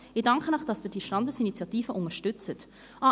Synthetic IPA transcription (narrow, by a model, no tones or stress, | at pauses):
ɪdɑŋkʰənɑχd̥ɑsdɪd̥iʃtɑndəsinit͡sjɑtiːfəʔʊŋəʃtʏt͡sət | ʔɑ